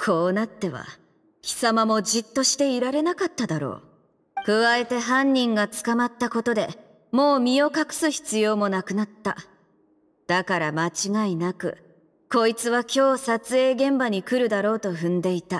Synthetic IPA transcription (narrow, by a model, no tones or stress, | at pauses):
kʰo̞ːnat̪ːe̞βa̰ | kʲi̥samamo̞d͡ʑit̪ːo̞ɕi̥t̪e̞iɾaɾe̞nakat̪ːad̪aɾo̞̰ː | kɯ̟βae̞t̪e̞ɦãɲ̟ʲːĩŋɡat͡sɨ̥kamat̪ːako̞t̪o̞d̪e̞̰ | mo̞ːmʲio̞kakɯ̟̥sɨçi̥t͡sɨjo̞ːmo̞nakɯ̟nat̪ːa̰ | d̪̥akaɾamat͡ɕiɡainakɯ̟̰ | ko̞it͡sɨβakʲo̞ːsat͡sɨe̞ːɡẽ̞mbaɲ̟ikɯ̟ɾɯ̟d̪aɾo̞ːt̪o̞ɸɯ̟̃nd̪e̞it̪a